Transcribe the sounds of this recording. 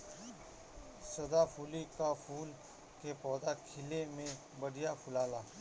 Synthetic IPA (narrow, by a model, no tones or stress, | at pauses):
sɐd̪apuːlikafʰuːl | kepɔːd̪akʰɪlemẽ | bəɽijapʰʊlaːlaː